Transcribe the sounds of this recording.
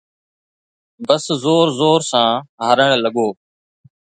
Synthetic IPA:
bəszoːɾzoːɾsãːɦəɾəɳ̃ləɠoː

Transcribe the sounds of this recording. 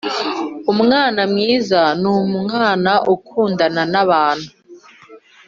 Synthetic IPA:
umŋaːnamŋiːzanumuŋaːnaʔukʰuːndananaβaːn̥hu

